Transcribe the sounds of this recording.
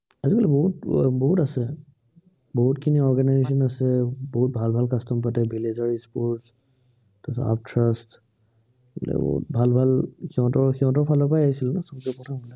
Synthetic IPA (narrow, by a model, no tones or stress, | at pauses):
aziɡɔlɛbɔɦutbɔɦutasɛ | bɔɦutkʰiniɔɹɡanajzes̬ɔnasɛboɦut̚bʱalbʱalkastɔmpatɛbilezaɹispɔɹts | tasa̰ptʰɹast | ɛ̰bɔ̰ṵt̚bʱalbʱalxiɦɔ̃tɔɹxiɦɔ̃tɔɹpʰalɔpajaɦisilnɛsɔzɛpɔtʰamɔnɛ